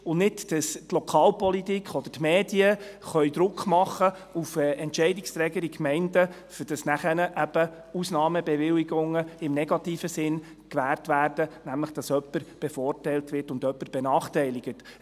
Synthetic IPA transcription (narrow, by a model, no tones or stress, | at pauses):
ʊnnɪtd̥ɑstlɔkʰɑːlpɔlitikχɔd̥̪ətmeːd̥iəχœʏd̪ɾʊkʰχmɑχə | ufɛʔɛntt͡ʃɛɪdɪkst̪ɾɛːɡəɾikmɛɪndə | fʏɾd̥ɑsnæχɛnəʔæb̥ə | usnɑːməbɛʋɪliɡʊŋəɪmnɛɡ̥ɑtiːfəsɪn | kʋæːrtʋæːɾd̥ənæmləχd̥ɑsœpːəɾb̥ɛfɔːrtɛjltʋɪrtʊndœpːəɾb̥ɛnɑːχtɛɪlɪɡ̥ət